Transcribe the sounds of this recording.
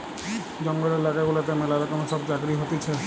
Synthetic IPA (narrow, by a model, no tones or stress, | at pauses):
d͡ʑɔŋɡɔlelaɡaɡolɔt̪emelaɾɔkɔmeʃɔbd͡ʑaɡɾiɦot̪et͡ʃʰe